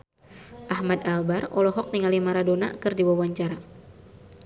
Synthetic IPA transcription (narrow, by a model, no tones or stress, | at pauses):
ʔahmadalbarɔlɔɦɔk̚t̪iŋalimaɾadona̰kɨrdiwawaɲt͡ʃaɾa